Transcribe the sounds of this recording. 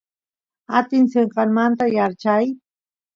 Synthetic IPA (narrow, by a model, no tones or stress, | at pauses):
at̪ɪnseɴqɑŋmant̪ajaɾt͡ʃaj